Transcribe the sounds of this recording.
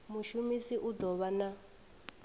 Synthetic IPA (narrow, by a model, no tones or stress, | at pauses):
muʃumisiʔud̪ɔβana